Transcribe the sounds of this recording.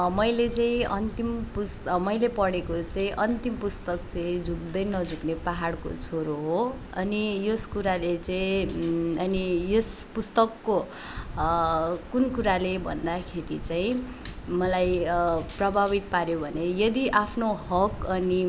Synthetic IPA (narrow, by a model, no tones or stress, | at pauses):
mʌjlet͡saĩʌnt̪impusmʌjlepʌɽekot͡saĩʔʌnt̪impust̪ʌkt͡saĩd͡zuk̚d̪ʌjnʌd͡zuknepaɦaɽko̰t͡sʰoɾoɦo | ʌ̰nijoskuɾalet͡sʌĩ | ʌnijʌspust̪ʌkːo | kunkuɾalebʱʌ̰nd̪akʰeɾit͡saĩ | mʌlajprʌbʱabit̪̚paɾjobʱʌnejʌd̪iʔapʰnoɦʌkʌni